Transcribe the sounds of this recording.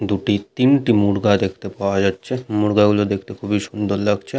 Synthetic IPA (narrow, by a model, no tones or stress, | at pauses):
d̪uʈit̪inʈimuɽɡad̪ekʰt̪epaoad͡ʑatːɕʰemuɽɡaɡulod̪ekʰt̪ekʰubʱiʃund̪oɾlaɡt͡ɕʰe